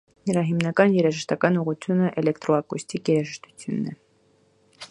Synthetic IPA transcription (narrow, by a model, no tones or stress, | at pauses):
nəɾɑɦimnɑkɑnjɛɾɑʒəʃt̪ɑkɑnuʁut͡sʰjunəʔɛlɛkt̪ɾɔɑkusʲt̪ikjɛɾɑʒəʃt̪u̥t͡sʰjunːɛ